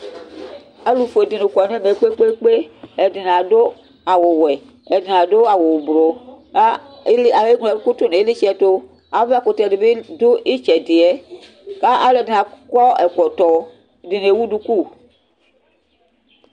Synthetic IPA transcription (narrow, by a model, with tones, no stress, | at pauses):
a˦lu˨fo˨e˨di˨ne˨kɔ˨n˦e˦me˨˦k͡pe˦k͡pe˦k͡pe˦ɛ˨di˨n˨ã˨do˦ | a˨wo˨wɛ˨ | ɛ˨di˨nã˨do˦a˨wo˨bɾo˨a˦a˨we˦ɡɔ˨u˦ku˦t̪o˦ne˨˦li˦t͡ʃɛ˦t̪o˦ | a˨˦ve˦a˦ko˨t̪ɛ˨de˨be˦do˦ʔi˦t͡ʃɛ˨de˨ɛ˦ | ka˦ʔa˦le˨di˨na˨kɔ˦ɛ˨kɔ˨t̪ɔ˨ | di˨ne˨wu˦du˦ku˦˨